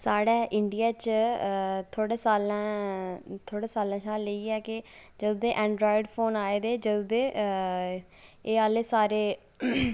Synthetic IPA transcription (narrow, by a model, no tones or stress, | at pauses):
saːɽɛːʔɪɳɖijaːt͡ʃ | t̪ʰoːɽeːsaːlãː | t̪ʰoːɽaːsaːlãːʃaːlːəiːɛːkɪd͡ʒəd̪ʊːd̪eːʔɛ̃ːɳɖɾɔːɪɖpʰoːnaːeːd̪eːd͡ʒəd̪ʊd̪eː | eːaːleːsaːɾeː